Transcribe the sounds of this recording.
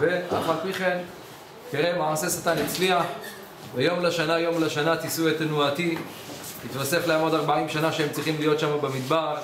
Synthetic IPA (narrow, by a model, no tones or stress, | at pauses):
veafalpiχen | keʁemaʕase̞sat̪anit͡sliaχ | bejo̞mlaʃanajo̞mlaʃanat̪isuet̪anuat̪i | tit̪vase̞fleaːmo̞d̪aʁbaimʃanaʃeemt͡sʁiχimlijo̞t̪ʃamabemid̪baʁ